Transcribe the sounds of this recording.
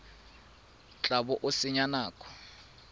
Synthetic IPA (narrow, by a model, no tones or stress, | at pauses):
t͡ɬʼabɔʔʊsɪɲanaːkʰʼɔ̥